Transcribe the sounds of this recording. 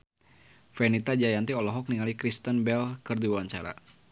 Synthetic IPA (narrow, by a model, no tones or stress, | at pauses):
fɛnit̪ad͡ʒajant̪iɔlɔɦɔk̚niŋalikɾist̪ənbɛlkərdiwaɲt͡ʃa̰ɾa̰